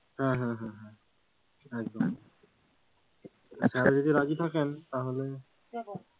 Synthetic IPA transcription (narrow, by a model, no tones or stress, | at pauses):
hãɦãɦãɦã | ɛk̚d̪ɔm | asɛtɛzod̪iɹazit̪ʰakɛnt̪aɦolɛ